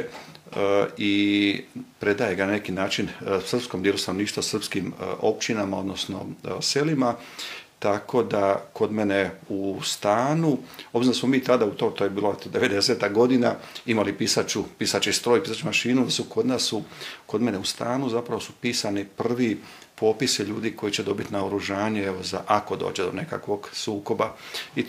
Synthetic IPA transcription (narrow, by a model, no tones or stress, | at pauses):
i | pɾe̞d̪ajeɡanane̞kinaːt͡ʃinsr̩psko̞md̪jelust̪ano̞niːʃt̪ʋasr̩pskimo̞̰pt͡ʃinamao̞d̪no̞sno̞̰se̞lima | t̪akʰo̞d̪ako̞d̪me̞neust̪aːnuobɾiznd̪asmomiːt̪ad̪aut̪ot̪oːjebiːloet̪od̪e̞ʋe̞d̪eset̪aɡo̞d̪inaimalipisat͡ʃupisat͡ʃist̪ɾojipiːsat͡ʃumaʃiːnud̪asuko̞d̪naːsuko̞d̪me̞neust̪aːnuzapɾaʋo̞supiːsanipr̩ʋi | po̞pisiʎuːd̪iko̞jit͡ɕed̪o̞bit̪naoɾuʒaːɲee̞ʋo̞za̰ʔako̞d̪o̞̰ːt͡ɕed̪one̞ka̰kʋo̞ɡsuːko̞ba | i